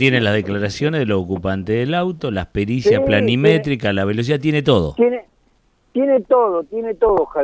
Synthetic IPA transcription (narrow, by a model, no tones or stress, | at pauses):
jenelazðeklaɾasjonezðelookupant̪eðelawt̪o̞lapeɾisjaplanimet̪ɾikalaβ̞elos̬iðat̪̬jenet̪o̞ð̞o̞̰t̪jene | t̪jenet̪oðot̪jenet̪oðoxa